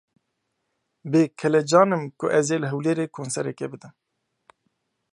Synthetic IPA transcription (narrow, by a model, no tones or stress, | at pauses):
beːkʰɛlɛd͡ʒɑːnɨmkʊʔɛzeːləɦɛwleːɾeːkʰoːnsɛɾɛkɛbɨd̪ɨn